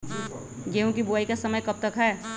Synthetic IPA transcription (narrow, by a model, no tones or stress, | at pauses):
d͡ʒeːũkibuaːikasəməjkɐp̚t̪əkɦɛː